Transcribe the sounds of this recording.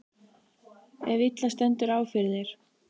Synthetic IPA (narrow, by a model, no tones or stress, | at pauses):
ɛvit̪last̪ɛnt̪ʏɾaːwfɪɾðɪɾ̥